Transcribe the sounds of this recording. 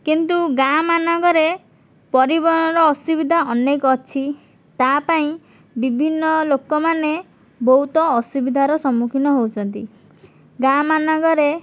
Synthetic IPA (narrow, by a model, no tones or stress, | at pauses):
kint̪uɡamanɔɡɔɾe | pɔɾibɔnɔɾɔːsubid̪ʱaʔɔnekɔɔt͡ʃʰi | t̪apaĩ | bibʱinːɔlokɔmane | bɔɦut̪ɔːsubid̪ʱaɾɔsɔmukʰinɔɦowt͡ʃʰɔnt̪i | ɡamanɔɡɔɾe